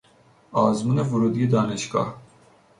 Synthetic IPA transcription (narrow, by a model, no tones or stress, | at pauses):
ɑːzmunɛvuɾud̪ɡid̪ɑːneʃkɑ̰